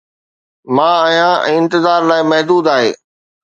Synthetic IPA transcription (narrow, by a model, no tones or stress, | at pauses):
mãːəɦjãɛ̰̃ːɪ̃nt̪ɪzaːɾlaːɪmɐɦd̪uːd̪aːɦḛː